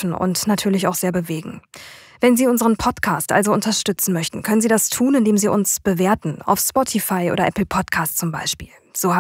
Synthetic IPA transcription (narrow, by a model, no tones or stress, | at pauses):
n̩ʊ̰ntnatʰyːɐlɪçaʊxz̥eːɐbəveːɡŋ̩ | vɛnziːʊnzəʁənpʰɔtkʰaːstʔa̰lzoʊntɐʃtʏt͡sn̩mœçtn̩kʰœnənziːdastʰuːnɪndeːmziːʔʊnsb̥əveːɐtn̩a̰ʊfspɔtʰifaɪʔo̰ːdɐʔɛpl̩pʰɔtkʰaːstt͡sʊmbaɪʃpḭːl | z̥oːha